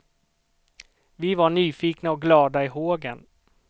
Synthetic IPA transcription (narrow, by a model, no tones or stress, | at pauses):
vɪvaɳyːfiːknaɔk̚ɡlɑːd̪aɪɦoːɡən